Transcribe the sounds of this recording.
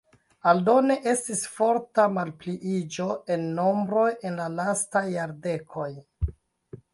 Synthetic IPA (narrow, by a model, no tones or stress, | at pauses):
aldo̞ne̞ʔe̞stisfo̞ɾtamalpliʔid͡ʒo̞e̞nːo̞mbɾo̞je̞nlalastajːaɾde̞kʰo̞j